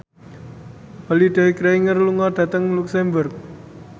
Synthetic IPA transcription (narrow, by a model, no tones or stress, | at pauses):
baliɖaikɾɛiŋərluŋɔɖ̥a̤t̪əŋluksɛmbərk̚